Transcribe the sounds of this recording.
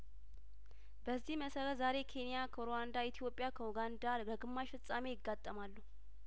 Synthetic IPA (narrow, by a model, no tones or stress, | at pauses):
bəzːihməsəɾət̪zaɾe̞kʰe̞nijakʰəɾowand̪ait̪ʰijo̞pʼːjakʰəuɡand̪aɡəɡɨmːaʃfɨsʼamejɪɡːat̪ʼːəmalːu